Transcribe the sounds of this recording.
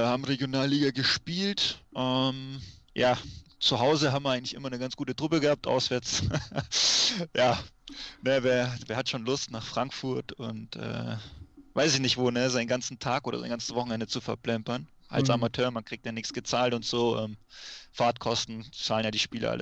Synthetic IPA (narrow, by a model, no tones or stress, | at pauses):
ɐhaːbm̩ʁeɡjonaːlːiːɡaɡəʃpiːltʔɛm | jaːt͡suɦaʊzəɦaːbm̩vʔaɪɡŋ̩tlɪçʔɪmɐnəɡant͡sɡ̥uːtətʁ̥ʊpəɡəhaːp̚tʔa̰ʊsv̥ɛːɐt͡s | jaː | nəveːɐveːɐhatʃoːnlʊstnaːχfʁ̥aŋkfʊɐtʊntʔɛ̰ː | vaɪsɪçnɪçtv̥oːnəzaɪnɡant͡sn̩tʰaːkʔoːdɐ̰za̰ɪnɡant͡sə̥svɔχn̩ɛndət͡sufɛɐplɛmpɐn | ʔa̰lsamatʰøːɐmankʁ̥iːk̚tjanɪçsɡ̥ət͡saːltʊntz̥oːʔɛːmfaːtkʰɔstn̩t͡saːlənjaːdiːʃpiːlə̰ʔa̰lə̰